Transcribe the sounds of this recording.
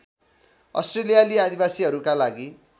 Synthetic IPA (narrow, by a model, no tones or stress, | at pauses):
ʌ̰sʈrelijaliad̪ʱibasiɦʌɾukalaɡi